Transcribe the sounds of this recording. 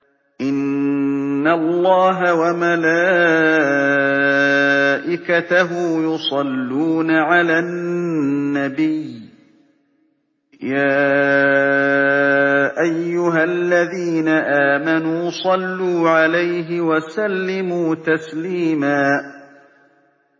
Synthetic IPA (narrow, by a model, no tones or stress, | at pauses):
ʔɪnː | alˤːɑːɦawamalaː | ʔɪkat̪aɦʊjʊsˤɑlːuːnaʕalaː | abɪj | jaː | ʔajːʊɦalːaðiːnaʔaːmanuːsˤɑlːuːʕalajɦɪwasalːɪmuːt̪asliːmaː